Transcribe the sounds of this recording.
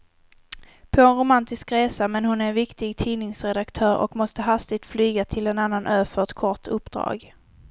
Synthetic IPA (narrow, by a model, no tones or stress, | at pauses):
pʰɔɛnɾʊmant̪ɪskɾeːsamɛnhʊnæɛvɪkt̪ɪɡt̪ʰiːnɪŋsɾɛd̪akt̪ʰœːɾʔɔ̰kmɔst̪əɦast̪ɪɡ̚t̪flyːɡat̪ʰɪlɛnanːanʔœːfœɛt̪kʰɔʈɵpːd̪̥ɾɑ̰ːɡ